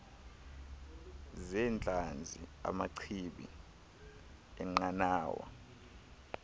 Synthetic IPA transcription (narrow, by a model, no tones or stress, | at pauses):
zɛnt͡ɬʼand͡zʱia̰maǀʰiɓḭ | ɛŋ͡ǃanaːwa̰